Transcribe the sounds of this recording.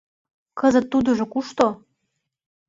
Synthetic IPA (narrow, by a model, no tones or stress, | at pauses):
kə̆zə̆t̪ːud̪uʒŏkuʃt̪o